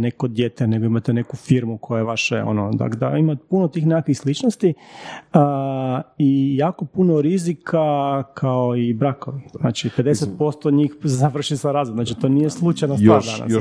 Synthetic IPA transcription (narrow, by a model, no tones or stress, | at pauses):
nekod̪jet̪ene̞ɡo̞imat̪ene̞kufiɾmukʰojaʋaʃeo̰nod̪a̰ɡd̪a̰imat̪punot̪iːxnekakʋixslit͡ʃnost̪i | ijaːko̞punoɾizikʰakʰaoibɾakoʋinaːt͡ʃipe̞d̪eset̪̚po̞st̪oɲiːxzaʋr̩ʃisaɾaːzʋod̪nat͡ʃit̪oːnijeslˠut͡ʃajnast̪ad̪a̰na̰